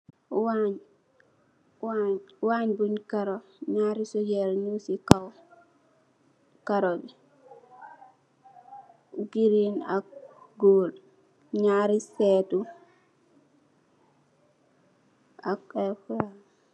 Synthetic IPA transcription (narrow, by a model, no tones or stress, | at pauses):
waɲ | waɲwaɲbuɲkaɾoɲaɾisod͡ʒelɲusikaw | kaɾodi | ɡiɾina̰k̚ɡoːl | ɲaɾisɛtu | akeka